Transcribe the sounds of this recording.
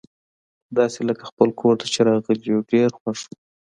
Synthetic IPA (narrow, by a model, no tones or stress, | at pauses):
d̪ɑseləkḁxpəlkʰoɾt̪ʰat͡ʃeɾɑɣəliɖeɾxwaʂu